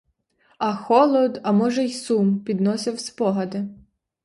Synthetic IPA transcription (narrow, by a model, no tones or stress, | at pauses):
ɐxɔlˠɔd̪ɐmɔʒɛjsumpʲid̪nɔsʲɪwspɔɦɐd̪ɪ